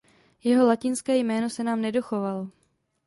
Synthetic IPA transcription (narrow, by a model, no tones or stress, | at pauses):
jɛɦo̞lacɪnskɛːjmɛːno̞sɛnaːmnɛdo̞xo̞valo